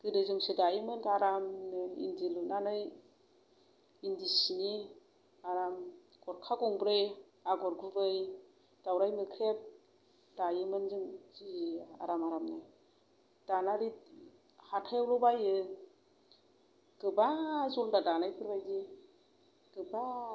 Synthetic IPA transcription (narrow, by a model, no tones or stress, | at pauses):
ɡ̥ɯdɯzɯŋsidajɯmɯnkaɾamnɯḭndilnanɯj | indisini | aɾam | ɡ̥ɔɾkʰaɡɔŋbɾɯj | aɡɔɾɡubɯj | d̥awɾajmɯkʰɾep̚ | dajɯmɯnzɯŋzia̰ɾamaɾamnɯ | d̥anaɾi | hatʰajawlɔbajɯ | ɡ̥ɯbazɔldadanajpʰɯɾbajdi | ɡ̥ɯba